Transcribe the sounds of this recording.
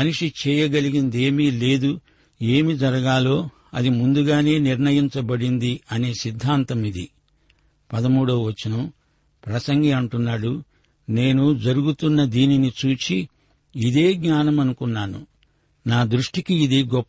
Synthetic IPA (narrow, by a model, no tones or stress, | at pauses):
ɐnuʂit͡ʃɛːjɐɡɐliɡind̪e̞ːmiːle̞ːd̪u | e̞ːmid͡ʒɐɾɐɡaːlo̞ː | ɐ̰d̪imund̪uɡaːne̞ːniɾnɐjiɲt͡ʃɐbɐɽind̪iɐne̞ːsid̪ʱːaːnt̪ɐmid̪ḭ | pɐd̪ɐmuːɽɐwʋɐt͡ʃːinɐm | pɾɐsɐŋɡiɐɳʈunːaːɽu | ne̞ːnud͡ʒɐɾuɡut̪unːɐd̪iːninit͡ʃuːt͡ʃiː | d̪e̞ːɡɲaːnɐmɐnukunːaːnṵ | naːd̪ɾuʂʈikiːd̪iɡɔpː